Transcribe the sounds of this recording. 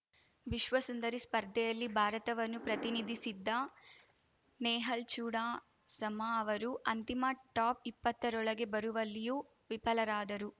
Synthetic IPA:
ʋiʃʋɐsund̪ɐɾispɐɾd̪ʱɛjɐlːibʱaːɾɐt̪ɐʋɐnːupɾɐt̪inid̪ʱisid̪ːɐ | nɛːɦɐlt͡ʃuːɽaː | sɐmɐɐʋɐɾuʔɐnt̪imɐʈaːpipːɐt̪ːɐɾɔɭɐɡe̞bɐɾuʋɐlːiju | ʋipɐlɐɾaːd̪ɐɾu

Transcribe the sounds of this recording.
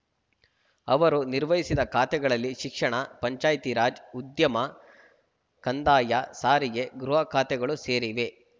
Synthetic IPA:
ɐʋɐɾuniɾʋɐɦisid̪ɐkʰaːt̪ɛɡɐɭɐlːiʃikʂɐɳɐpɐɲt͡ʃaːjt̪iɾaːd͡ʒud̪jɐmɐ | kɐnd̪aːjɐsaːɾiɡe̞ɡɾuɦɐkʰaːt̪ɛɡɐɭuse̞ːɾiʋe̞

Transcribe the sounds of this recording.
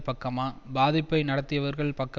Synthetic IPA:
pɐkːɐmaːbaːðɪpːɐɪnɐɽɐt̪ːɪjɐʋɐɾɣɐɭpɐkːɐ

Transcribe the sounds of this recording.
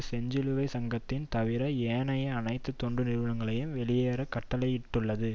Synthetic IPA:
sɛɲd͡ʒɪlɯʋɐɪsɐŋɡɐt̪ːɪnt̪ɐʋɪɾɐeːnɐjɐɐnɐɪt̪ːɯt̪ːɔɳɖɯnɪɾɯʋɐɭɐŋɡɐɭɐjɯmʋɛɭɪjeːɾɐkːɐʈːɐlɐjɪʈːɯɭːɐðɯ

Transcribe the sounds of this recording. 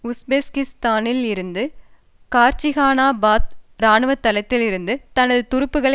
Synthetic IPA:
ʊsbeːskɪst̪aːnɪlɪɾɯnd̪ɯ | kaːɾt͡ʃɪɣaːnaːbaːt̪ɾaːnɯʋɐt̪ːɐlɐt̪ːɪlɪɾɯnd̪ɯt̪ɐnɐðɯt̪ʊɾɯpːɯɣɐɭɐ

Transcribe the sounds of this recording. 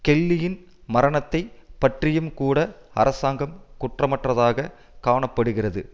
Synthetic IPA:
kɛɭːɪjɪn | mɐɾɐɳɐt̪ːɐɪpɐʈrɪjɯmkuːɽɐ | ɐ̰ɾɐsaːŋɡɐmkʊʈrɐmɐʈrɐðaːɣɐ | kaːɳɐpːɐɽɯɣɪrɐðɯ̰

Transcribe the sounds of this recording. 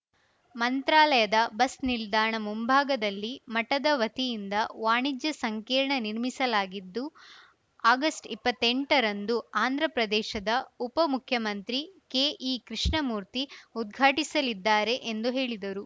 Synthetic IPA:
mɐnt̪ɾaːlɐjɐd̪ɐbɐsnild̪aːɳɐmumbʱaːɡɐd̪ɐlːimɐʈɐd̪ɐʋɐt̪ijind̪ɐʋaːɳid͡ʒjɐsɐŋkiːɾɳɐniɾmisɐlaːɡid̪ːu | aːɡɐsʈipːɐt̪ːeɳʈɐɾɐnd̪uaːnd̪ʱɾɐpɾɐd̪ɛːʃɐd̪ɐupɐmukʰjɐmɐnt̪ɾikeːʔikɾiʂɳɐmuːɾt̪iud̪̚ɡʱaːʈisɐlid̪ːaːɾe̞ʔend̪uɦe̞ːɭid̪ɐɾu

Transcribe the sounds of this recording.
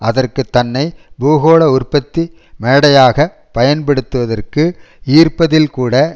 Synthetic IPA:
ʔɐðɐrkɯt̪ːɐnːɐɪbuːɣoːɽɐʊrpɐt̪ːi | meːɽɐjaːɣɐ | pɐjɐnpɐɽɯt̪ːɯʋɐðɐrkɯ | iːrpɐðɪlkuːɽɐ

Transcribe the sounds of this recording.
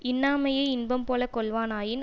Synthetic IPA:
ɪnːaːmɐjɐɪɪnbɐmpoːlɐkɔɭʋaːnaːjɪn

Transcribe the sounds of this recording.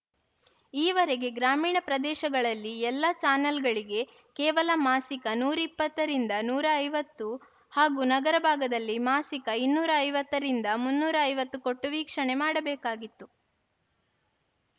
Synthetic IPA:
iːʋɐɾeɡe̞ɡɾaːmiːɳɐpɾɐd̪ɛːʃɐɡɐɭɐlːiɛlːɐt͡ʃaːnɐlɡɐɭiɡe̞ | kɛːʋɐlɐmaːsikɐnuːɾipːɐt̪ːɐɾind̪ɐnuːɾɐːjʋɐt̪ːu | haːɡuːnɐɡɐɾɐbʱaːɡɐd̪ɐlːimaːsikɐinːuːɾɐːjʋɐt̪ːɐɾind̪ɐmunːuːɾɐːjʋɐt̪ːuko̞ʈːuʋiːkʂɐɳe̞maːɽɐbɛːkaːɡit̪ːu

